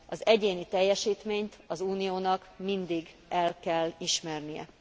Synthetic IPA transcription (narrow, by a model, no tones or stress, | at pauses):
ɒzɛɟeːnit̪ɛjːɛʃiːt̪meːɲt̪ɒzuːnijoːnɒkmind̪iɡ | ʔɛlkɛlːiʃmɛrnijɛ̰